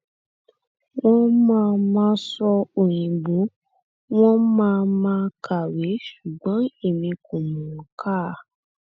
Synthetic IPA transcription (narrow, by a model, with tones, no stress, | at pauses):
w̃ɔ̃˦mãː˦˧mãː˦sɔ˧o˨j̃ĩ˨ɡ͡bo˨˦ | w̃ɔ̃˦mãː˦˧mãː˧˦kʰa˨we˨˦ʃu˨ɡ͡bɔ̃˨˦e˦˨mĩ˧ko˨mũ˨ɾɔ̃˨kʰa˦˨